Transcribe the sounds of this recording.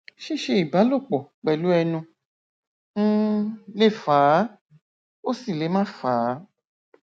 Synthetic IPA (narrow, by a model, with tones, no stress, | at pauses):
ʃi˦˨ʃe˧i˨ba˨˦lo˦˨k͡pɔ˨k͡pɛ˨lu˨˦ɛ˧nũ˧˦ | le˦˨faː˨˦ | o˦si˦˨le˨˦mã˦faː˨˦